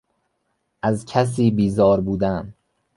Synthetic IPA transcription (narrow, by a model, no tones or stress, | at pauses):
ʔæzcʰæs̬iːbiːzɒːɾbuːd̪æn